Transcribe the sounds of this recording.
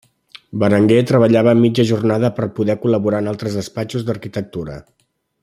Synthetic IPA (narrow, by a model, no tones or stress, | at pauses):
bəɾəŋɡet̪ɾəβ̞əʎaβəːmːid͡ʒəʒurnaðəpərpuðɛkuləβuɾaənalˠt̪ɾəzðəspat͡ʃuzd̪ərkit̪ək̚t̪uɾə̰